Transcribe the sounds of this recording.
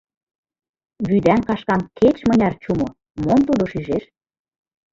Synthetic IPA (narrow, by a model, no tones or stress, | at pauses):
βyd̪ænkɑʃkɑnkʰet͡ɕmɤ̆nʲɑrt͡ɕumɤ̆ | mont̪ud̪oʃiʒeʃ